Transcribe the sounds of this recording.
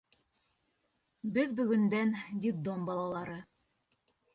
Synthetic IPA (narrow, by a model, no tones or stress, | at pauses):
bɘðbɵ̆ɡɵ̆nd̪ænd̪ʲid̪ombɑlˠɑlˠɑɾɤ